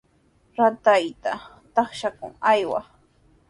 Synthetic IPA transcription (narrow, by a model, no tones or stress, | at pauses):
ɾat̪ajt̪a | t̪ɑχʃakʊ̰ŋajwa̰